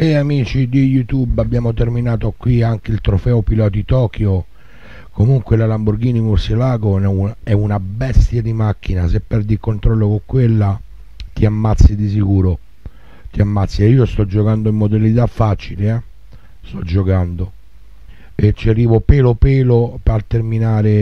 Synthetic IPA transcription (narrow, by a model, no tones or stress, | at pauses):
eamiːt͡ʃid̪ijut̪ubabːjaːmot̪erminaːt̪okwiaŋk̟eilt̪ɾofɛopilɔːt̪it̪ɔːkjo | komuŋkwelalamburɡiːnimurselaːɡonɛunɛunabɛst̪jad̪imak̟ːinasepːɛrd̪ikːont̪ɾɔlːokoŋkwelːa | t̪iamːat̪sːid̪is̬ikuːɾo | t̪iamːat̪sːieiːost̪ɔd͡ʒːokand̪oimːod̪elit̪afːat͡ʃileɛ | st̪ɔd͡ʒːokand̪o | et͡ʃːiariːvopeːlopeːlopalt̪erminaːɾe